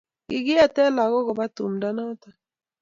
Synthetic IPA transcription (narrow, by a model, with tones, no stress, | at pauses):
ɡɪ˦ɡɪ˦a˦tɛ˦la˨ɣɔ˦kɔ˨ba˦tṵ˨mda˦nɔ˦ta˨